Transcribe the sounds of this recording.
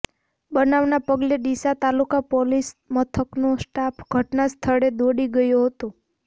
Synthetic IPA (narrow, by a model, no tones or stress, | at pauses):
bənaʋnapəɡleɖ̪isat̪alukapɔlismət̪ʰəknosʈapʰɡʱəʈnast̪ʰəɭed̪oɽiɡəjoɦət̪o